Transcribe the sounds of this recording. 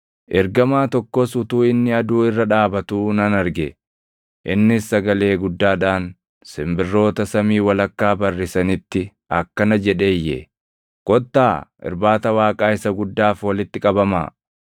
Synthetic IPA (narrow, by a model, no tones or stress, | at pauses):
ʔɛɾɡɐmaːt̪ɔkːɔsʊt̪uːɪnːɪɐd̪uːɪrːɐᶑaːbɐt̪uːnɐnɐɾɡɛ | ʔɪnːɪsːɐɡɐle̞ːɡʊd̪ːaːᶑaːn | sɪmbɪrːo̞ːt̪ɐsɐmiːwɐlɐkːaːbɐrːɪsɐnɪt̪ːɪ | ɐkːɐnɐd͡ʒɛᶑe̞ːjːɛ̰ | kʼɔt̪ːaːɪ̰ɾbaːt̪ɐwaːkʼaːɪsɐɡʊd̪ːaːfwɐlɪt̪ːɪkʼɐbɐma̰ː